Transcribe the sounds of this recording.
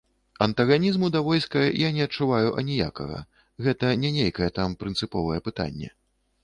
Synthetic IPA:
ɐnt̪ɐɣanʲizmud̪ɐvɔjskɐjanʲɛɐt̚t͡ʂːuvajuʔɐ̰nʲija̰kɐ̰ɣɐ̰ | ɣɛt̪ɐnʲɛnʲejkɐjɛt̪ampɾɨnt̪sɨpɔvɐjɛpɨt̪a̰nʲːɛ̰

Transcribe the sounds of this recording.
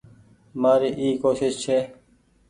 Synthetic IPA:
maːɾiːʔiːkoːʃɪst͡ʃʰeː

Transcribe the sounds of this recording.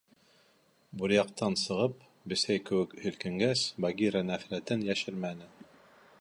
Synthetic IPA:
buɾjɑq̚t̪ɑnsɤ̆ʁɤp̚ | bɘ̆sæjkɘ̆wɘ̆khɵ̆lkɘ̆ŋɡæsbaɡiɾənæfɾæt̪ɘnjæʃɘɾmænɘ

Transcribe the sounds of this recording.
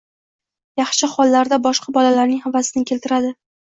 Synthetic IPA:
jɑχʃɪχɒlːaɾd̪abɒʃqɑbɒlalaɾnɪŋhavːasɪnɪkʲʰe̞lt̪ɪɾad̪ɪ

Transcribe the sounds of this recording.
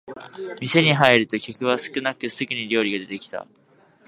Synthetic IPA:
mʲise̞ɲ̟iɦaiɾɯ̟t̪o̞kʲokɯ̟βasɨ̥kɯ̟nakɯkɯsɨɡʲɯ̟ɲ̟iɾʲo̞ːɾʲiɡad̪e̞t̪e̞kʲi̥t̪a̰

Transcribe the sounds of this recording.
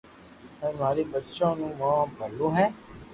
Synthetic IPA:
ɛ̃ːaːɾiːbətːʃãːnũːmãːbəlːũːɦɛ̃ː

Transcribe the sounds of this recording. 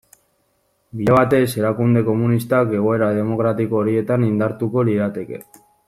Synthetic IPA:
biʎeβ̞at̪e̞se̞ɾakund̪e̞ko̞munist̪ake̞ɣ̞o̞e̞ɾað̞e̞mo̞ɣɾat̪iko̞ːɾie̞t̪anind̪aɾt̪uko̞liðat̪e̞ke̞̰

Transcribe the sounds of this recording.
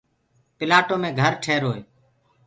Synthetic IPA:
pɪlaːʈoːmẽːɡʱəɾʈʰeːɾoːeː

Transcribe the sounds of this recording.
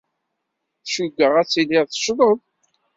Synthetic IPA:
θʃuɡːəʁæt͡sːiliʁθə̥ʃðˤəðˤ

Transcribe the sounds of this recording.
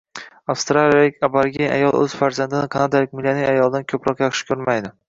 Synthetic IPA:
afst̪ɾalijalɪkʲabaɾɡʲia̰jɒlˠɵ̰z̥faɾzand̪ɪnɪqʰɑnad̪ajlɪk̚ʲmɪlːanijajɒlˠd̪ankʲʰɵpɾɒqjɑχʃɪ̥kʲʰɵɾmajd̪ɪ

